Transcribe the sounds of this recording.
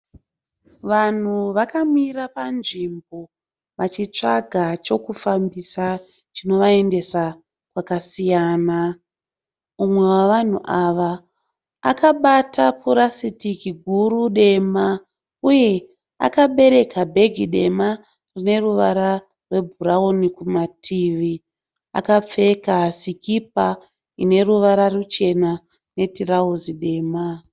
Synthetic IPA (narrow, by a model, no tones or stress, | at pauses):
ʋan̤uʋakamiɾapanʐimbo̞ | ʋat͡ʃit͡ʂa̰ɡʱat͡ʃo̞kufambisat͡ʃino̞ʋae̞nde̞sa | kwakasijaːna | umwe̞waʋan̤ṵʔaʋaː | kaɓatʰapʰuɾasitikiɡʱuɾuɗe̞ma | uje̞ | a̰kaɓe̞ɾe̞kabʱe̞ɡʱiɗe̞ma | rine̞ruʋaɾa | rwe̞bʱuɾaonikumatʰiʋi | a̰kap͡fe̞kasikip̚a | ine̞ruʋaɾarut͡ʃe̞na | ne̞tiɾauziɗe̞ːma